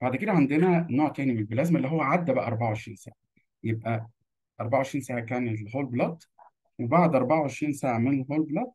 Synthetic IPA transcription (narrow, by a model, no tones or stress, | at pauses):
baʕd̪ked̪æʕand̪enænoːʕt̪æːnimenelbelʔæzmæʔelːiɦowːæʕad̪ːæbæʔæ̰ʔɑɾˤbaʕawʕeʃɾḭːnsa̰ːʕa | jeb̚ʔæ | ʔɑɾˤbaʕawʕeʃɾiːnsaːʕakæːnelhoːlblɑt̪ˤ | webaʕd̪ʔɑɾˤbaʕawʕeʃɾiːnsaːʕamenelɦoːlblɑt̪̚ˤ